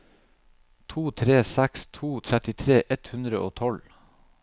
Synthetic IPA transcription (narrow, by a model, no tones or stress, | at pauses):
t̪ʰuːt̪ʰɾeːsækst̪ʰuːt̪ʰɾɛt̪ɪt̪ʰɾeːʔɛt̪hʉnd̪ɾəʔoːt̪ʰɔl